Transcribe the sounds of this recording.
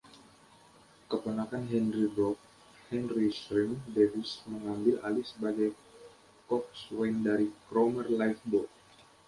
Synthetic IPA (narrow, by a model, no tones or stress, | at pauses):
kəpənakanɦɛnribɔk̚ | hɛnrisɾimdevɪsməŋambɪla̰lisəbaɡaj | kɔk̚swajndaɾikɾomərlajfbɔ